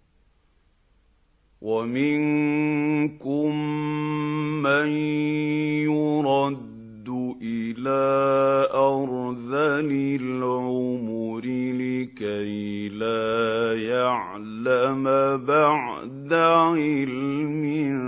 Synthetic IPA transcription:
wʔamɪn | kʊm | an | jʊɾˤɑd̪ːʊʔɪlaːʔɑɾˤðalɪlʕʊʊmʊɾɪlɪkajlaːjaʕ | lamabaʕ | d̪aɪlmɪ

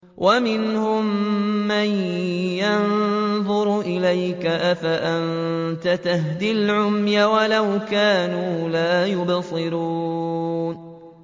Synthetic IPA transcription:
wʔamɪnhʊmːanjanðˤʊɾʔɪlajkaʔafaʔant̪at̪aɦd̪ɪlʕʊmjawalawkaːnuːlaːjʊbsˤɨɾuːn

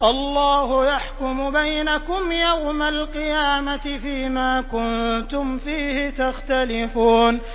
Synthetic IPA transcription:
ʔɑlːɑːhʊjaħkʊmʊbajnakʊmjawmalqɨjaːmaɪfiːmaːkʊnt̪ʊmfiːhɪt̪axt̪alɪfuːn

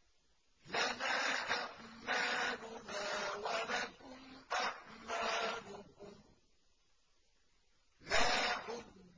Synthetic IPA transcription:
lanaːʔaʔmaːlʊnaːwalakʊmʔaʔmalʊkʊm | laːħʊd

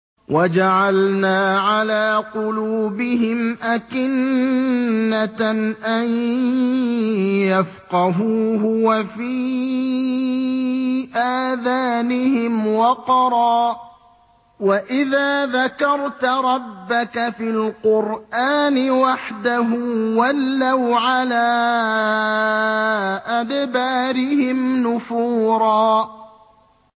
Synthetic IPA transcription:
wʔad͡ʒaʕalnaːʕalaːqʊluːbɪɦɪmʔakɪnː | aʔan | jafqɑɦuːɦʊwafiː | ʔaːðaːnɪhɪmwɑqɑɾˤɑː | waʔɪðaːðakɑɾˤt̪ɾˤɑbːakafilqʊɾʔaːnɪwaħd̪aɦuːwalːawʕalaː | ʔad̪baːɾɪhɪmnʊfuːɾˤɑː

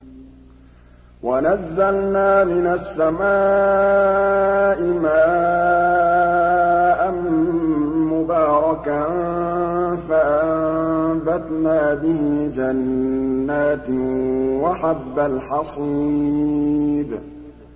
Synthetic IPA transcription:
wanazːalnaːmɪnasːamaː | ʔɪmaː | ʔan | mʊbaːɾˤɑka | faʔambat̪naːbɪhɪd͡ʒanː | aːt̪waħabːalħɑsˤiː | d̪

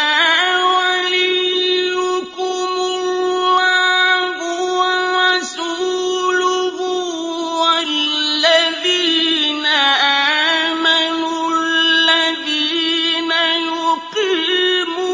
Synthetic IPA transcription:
walijukumuwaŋɡuwaɾasuluɣu | wallːaðinaʔamanulːaðinajuqimu

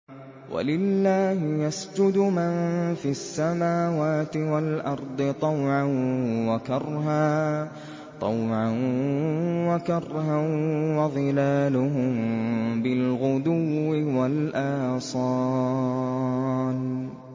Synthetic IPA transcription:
wa̰lɪlːaːhɪjasd͡ʒʊd̪ʊmanfiasːamaːwaːt̪ɪwalʔɑɾˤd̪ˤɨt̪ˤɑwʕanwakɑrˤɦaː | t̪ˤɑwʕan | wakɑrˤhanwɑðˤɨlaːlʊɦʊmbɪlɣʊd̪uːɪwalʔaːsˤɑː | n

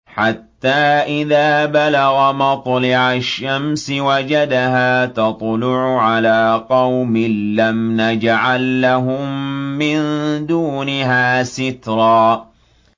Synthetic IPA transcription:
ħat̪ːaːʔɪðaːbalaɣamɑt̪ˤlɪʕaʃːamsɪwad͡ʒad̪aɦaːt̪ɑt̪ˤlʊʕʊʕalaːqɑwmɪnːamnad͡ʒaʕalːaɦʊmːɪnd̪uːnɪɦaːsɪt̪ɾˤɑː

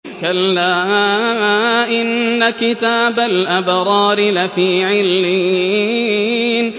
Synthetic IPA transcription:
kalːaːmaʔɪnːakɪt̪aːbalʔabɾˤɑːɾɪlafiːʕɪlmɪ | n

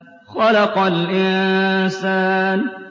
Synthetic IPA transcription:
xɑlɑqɑlʔɪnsaːn

